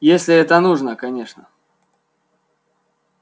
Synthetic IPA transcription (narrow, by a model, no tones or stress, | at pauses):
jesʲlʲɪɛt̪ənuʐnəkɐnʲe̞ʂnə̰